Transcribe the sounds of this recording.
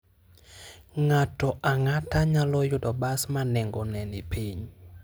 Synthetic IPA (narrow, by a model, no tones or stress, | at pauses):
ŋatɔʔaŋataɲalɔjʊdɔbasmanɛŋɡɔnɛnɪpiɲ